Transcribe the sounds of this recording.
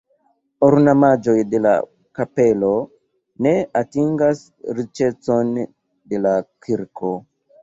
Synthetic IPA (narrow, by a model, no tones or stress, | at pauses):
oɾnamad͡ʒo̞jde̞la̰ | kape̞lo̞ | ne̞atiŋɡas | ɾit͡ʃe̞t͡so̞n | de̞lakiɾkʰo̞